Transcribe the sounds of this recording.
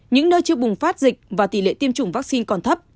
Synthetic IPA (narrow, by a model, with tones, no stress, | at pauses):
ɲɨ̰˧˥ŋnəː˧jt͡ɕɨ˧əɓʊ˨˩ŋ͡mfaː˦˥t̚zï˨˩k̟̚vaː˨˩t̪i˧˩lḛ˧˨t̪i˧əmt͡ɕʊ˧˩ŋ͡mvaː˦˥k̚si˧nkɔ˨˩nt̪ʰə˦˥p̚